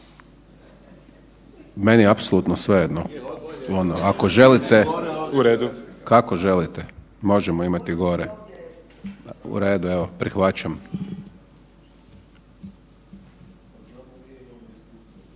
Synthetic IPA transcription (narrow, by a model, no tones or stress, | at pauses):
me̞niapsolut̪nosʋejed̪noonoako̞ʒe̞lit̪euɾeːd̪ukakoʒe̞lit̪e | mo̞ʒɛmoimat̪iɡo̞ɾe | ṵɾeːd̪ueʋopɾixʋat͡ɕam